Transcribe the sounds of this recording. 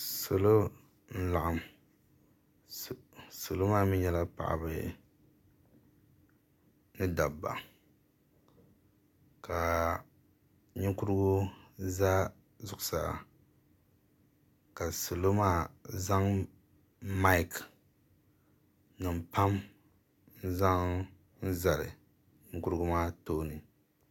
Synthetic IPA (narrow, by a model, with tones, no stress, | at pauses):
so˨lo˦ | n̩˦la˨ʔa˨m | so˨lo˦maː˦mi˦ɲɛ˦la˦pa̰˨ʔa̰˨bɨ̰˨ | nɨ˦da˨bːa̰˨ | ka˨ | ɲɪ˦ŋkʊ˦ɾɨ˦ɡʊ˦za˦ | zʊ˨kʊ̥˨sa̰˨ | ka˨so˨lo˦maː˦za˦ŋ | ma˦ɪ˨k | nɨ˨m˨pa˦m | n̩˦za˦ŋ | n̩˦za˨lɨ̰˨ | ɲɪ˦ŋku˦ɾɨ˦ɡu˦maː˦toː˦nɨ˨